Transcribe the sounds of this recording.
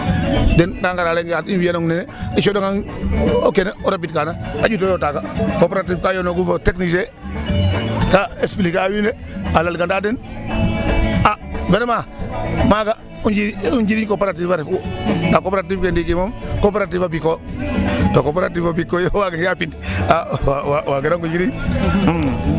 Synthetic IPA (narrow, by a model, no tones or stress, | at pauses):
dɛndaŋɡaɾaleŋjatinwianoŋnene | iʃodoŋaŋokeneoɾapitkanaaɟutojotaːkakopeɾatifkajonoɡufoteknise | kaesplikawine | alalɡandaːden | avenemamaɡa | und͡ʒiuɲɟiɾiɲkopaɾatifaɾfudakopɾatifkendikimomkopeɾatifabikːo | tokopaɾatifabikːojowaɡenjapindaawawaɡenaŋkuɲd͡ʒiɾiɲ̩